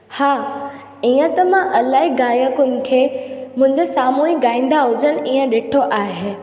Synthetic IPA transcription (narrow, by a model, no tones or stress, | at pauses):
haː | iːə̃t̪ɐmãʔɐlaːɦiɡaːjəkʊnɪ̆kʰeːmʊ̃ɦɪ̃ɲd͡ʑesaːmuːiɡaːĩːn̆d̪aɦʊd͡ʑənɪ̆iːə̃ɗɪʈʰoʔaːɦe